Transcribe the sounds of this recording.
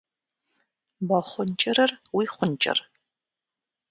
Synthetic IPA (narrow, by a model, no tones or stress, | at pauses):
bɐχʷʊnt͡ʃʼɪɾɐrwiːχʷʊnt͡ʃʼɪ̰r